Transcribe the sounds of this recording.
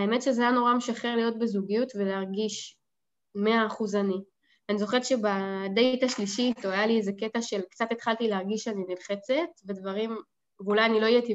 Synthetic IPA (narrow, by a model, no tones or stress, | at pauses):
aeme̞tʃezeajano̞ʁameʃaχeʁlijo̞t̪̚bezuɡijutveleaʁɡiʃ | me̞aːχuzani | anizo̞χeʁʃebadejtaʃliʃitoajaliezeke̞taʃe̞lkt͡sat̪et̪χalt̪ileaʁɡiʃaninilχe̞t͡se̞t̪ve̞dvaʁim | vulajanilo̞ijet̪i